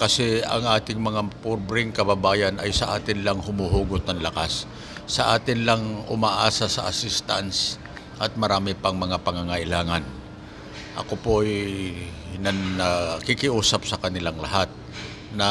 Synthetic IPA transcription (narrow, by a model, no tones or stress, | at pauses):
kɐsɛɐ̰ŋʔaːt̪ɪŋmɐŋapʊɾbɾɪŋkɐbabaːjanʔɐjsɐʔaːt̪ɪnlaŋhʊmuɦuːɡʊt̪̚nɐŋlɐkasː | ɐʔaːt̪ɪnlaŋʔʊmaʔaːsasɐʔasɪst̪a̰ns | ʔɐt̪̚mɐɾaːmɪpɐŋmɐŋapɐŋaŋaʔɪlaːŋan | ʔɐ̰kopoʔj | nɐnɐkɪkɪʔuːsap̚sɐkɐnɪlaŋlɐɦat̪̚ | nɐ